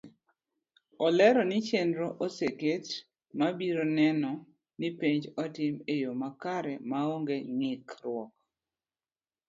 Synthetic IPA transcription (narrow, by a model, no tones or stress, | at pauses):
ɔlɛɾɔnɪt͡ʃendɾoʔoseket | mabiɾonɛnɔ | nipeɲd͡ʒɔtɪmejomakaɾɛmaoŋɡeŋɪkrwɔk̚